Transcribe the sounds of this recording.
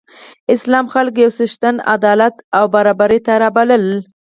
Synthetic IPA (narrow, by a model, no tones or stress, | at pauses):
ɪslɑmxalkjawsɪʃt̪ana̰d̪ɑlat̪awbaɾɑbaɾet̪aɾɑbaləl